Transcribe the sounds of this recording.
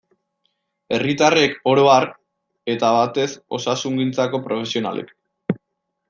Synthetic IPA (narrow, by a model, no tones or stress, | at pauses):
e̞rit̪are̞ko̞ɾo̞ar | e̞t̪aβat̪e̞so̞̰sasuŋɡint͡sako̞pɾo̞fe̞sio̞na̰lḛk